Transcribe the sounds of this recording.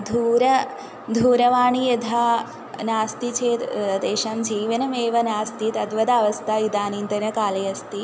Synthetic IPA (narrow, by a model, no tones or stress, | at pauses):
d̪ʱuːɾɐ | d̪ʱuːɾɐʋaːɳ̃ijɐd̪ʱaː | naːst̪it͡ɕeːd̪eːɕaːmd͡ʑiːʋɐnɐmeːʋɐnaːst̪iːt̪ɐd̪ʋɐd̪aːʋɐst̪aid̪aːniːnd̪ɐnɐkaːleːɐst̪iː